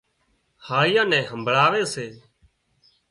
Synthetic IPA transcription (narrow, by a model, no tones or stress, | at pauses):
haːijãːnɛ̃ːɦəmbʱɭaːʋeːseː